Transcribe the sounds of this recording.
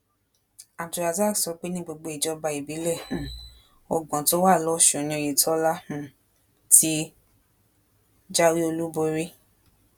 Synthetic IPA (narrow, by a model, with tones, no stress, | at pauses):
a˨du˨ɾa˨za˦˨sɔ˨˦k͡pe˦nĩ˦ɡ͡bo˧ɡ͡bo˧˦i˨d͡ʒɔ˧˦ba˧i˨bi˨˦lɛ˦˨ | ɔ˧ɡ͡bɔ̃˨˦to˦wa˦˨lɔ˦˨ʃõ˨nĩ˧˦o˧ji˨tʰɔ˦la˦hũ˧˦ | ti˦ | d͡ʒa˦wi˦o˧lu˦bo˧ɾi˦